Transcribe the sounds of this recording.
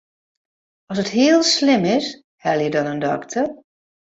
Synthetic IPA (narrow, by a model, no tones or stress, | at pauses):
ɔsətɦiəlˠslɪmɪs | hɛlˠjədɔnəndɔktʰər